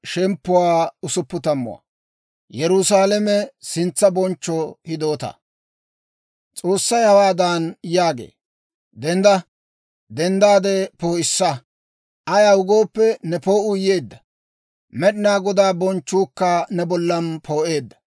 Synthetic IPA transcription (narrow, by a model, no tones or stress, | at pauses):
ʃɛmpːʊwaːʊsʊpːʊt̪ɐmːʊ̰wa̰ | jɛɾʊsaːlɛmɛsɪnt͡sːɐbɔnt͡ʃːɔhɪd̪o̞ːt̪ɐ̰ | t͡sʼo̞ːsːɐjhɐwaːd̪anjaːɡḛː | d̪ɛnd̪ɐ | d̪ɛnd̪aːd̪ɛpoːɪsːɐ | ʔɐjaːʊɡo̞ːpːɛnɛpo̞ːʔʊjeːd̪ːɐ | mɛɗɪnaːɡɔd̪aːbɔnt͡ʃːuːkːɐnɛbɔlːɐnpʰo̞ːʔe̞ːd̪ːɐ̥